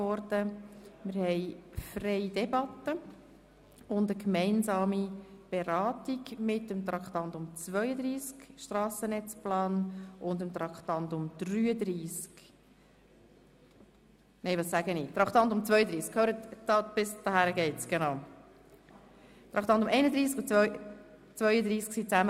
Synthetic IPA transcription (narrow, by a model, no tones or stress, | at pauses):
ɔɾd̥əmɪɾhɛɪfrɛɪd̥ɛbɑt̪ə | ʊndəkmɛɪnsɑːmib̥eɾɑːtiɡmɪtəmt̪ɾɑkt̪ɑnt̪ʊmt͡svœʏəd̪ɾiːskʃtrɑːsənɛt͡splɑːnʔʊnd̪əmt̪ɾɑkχt̪ɑnt̪ʊmd̥ryːəd̪ɾiːsk | nɛɪʋɑssæɡənit̪ɾɑkʰχt̪ɑnt̪ʊmt͡sʋœʏəd̪ɾiːskʰhøːɾətd̥ɑb̥ɪsd̥̪ɑhæɾəɡɛɪtt͡sɡ̥enɑʊ | t̪ɾɑkʰχt̪ɑntʊmʔɛɪnəd̪ɾiːskʊt͡sœʏ | t͡sʋœʏəd̪ɾiːsksit͡sæmə